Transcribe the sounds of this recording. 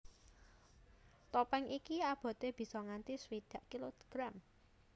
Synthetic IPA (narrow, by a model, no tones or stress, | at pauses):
t̪opɛŋikiab̥ɔ̤d̪̥e̤b̥i̤sɔŋant̪iswid̪̥ä̤ʔkiloɡ̥ɾam